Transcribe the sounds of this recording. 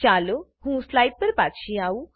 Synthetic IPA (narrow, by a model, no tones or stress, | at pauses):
t͡ʃaːlo | ɦũːslajɖ̚pəɾpat̪ʃiau